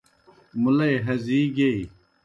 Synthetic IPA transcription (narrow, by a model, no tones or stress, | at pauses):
mulɐeɦɐziːɡei